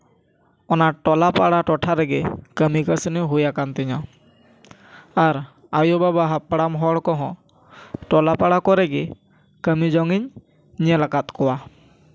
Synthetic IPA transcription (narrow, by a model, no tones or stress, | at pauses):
ɔnaʈɔlapaɽaʈɔʈʰaɾɛɡɛkəmikəsəniɦujakant̪ɛɲɔ | aɾ | ajobabaɦapɽamɦɔɽkɔ̃ɦɔ̃ | ʈɔlapaɽakɔɾɛɡɛ | kəmid͡ʒɔŋiɲ | ɲɛlakat̪̚kɔwa